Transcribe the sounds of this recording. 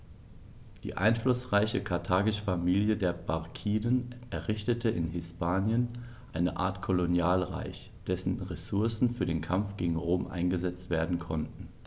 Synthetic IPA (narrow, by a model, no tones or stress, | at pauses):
d̥ḭːʔa̰ɪnflʊsʁaɪçəkʰaɐtʰaːɡɪʃfamiːljədeːɐbaʁkʰiːdənʔɛɐʁɪçtətʰəɪnɦɪspaːnjən | ʔaɪnəʔa̰ːɐtkʰolonjaːlʁa̰ɪç | d̥ɛsn̩ʁesʊɐsn̩fyːɐdeːnkʰamfɡ̥eːɡŋ̩ʁoːmʔa̰ɪnɡəzɛt͡stv̥eːɐdn̩kʰɔntn̩